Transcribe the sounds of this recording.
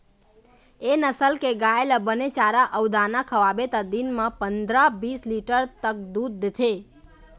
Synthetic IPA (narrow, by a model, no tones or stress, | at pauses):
enəsəlkeɡaeləbənet͡ʃaɾaʔəʋd̪anakʰəʋabet̪ad̪inmãpənd̪ɾabisliʈəɾt̪ək̚d̪ud̪ːt̪ʰe